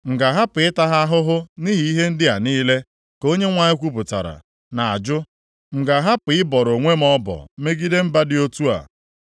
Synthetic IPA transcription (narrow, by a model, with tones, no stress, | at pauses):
ŋ̩˨ɡa˨ɦa˦pɪ˨ɪ˦ta˦ɦa˦ɦʊ˦ɦʊ˦ni˦ɦi˨i˦ɦe˦n̩˦dɪ˦a˨niː˦le˦ | ko˦ɲe˦ŋʷa˨ɲɪ˦kʷu˦p̬ʊ˨ta̰˨ɾa̰˨ | na˨a̰˨d͡ʒʊ˦ | ŋ̩˨ɡa˨ɦa˦pɪ˨ɪ˦bɔ˨ɾo˨ŋʷe˦m̩˦ɔ˦bɔ̰˨me˦ɡi˦de˦m̩˦ba˦dɪ˦o˦tu˦a̰˨